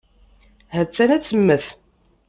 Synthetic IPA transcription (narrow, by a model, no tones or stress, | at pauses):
hət͡sːænæt͡sːəmːəθ